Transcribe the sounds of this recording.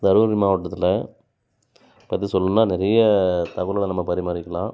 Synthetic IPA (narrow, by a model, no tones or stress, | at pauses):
d̪ɐɾɯʋɐɾɪmaːʋɐʈːɐt̪ːɪlɐ | pːɐt̪ːisɔlːɯnːaːnɪɾɐjɐt̪ɐɣɐllɐnɐmːɐpɐɾɪmaːɾɪkːɐlãː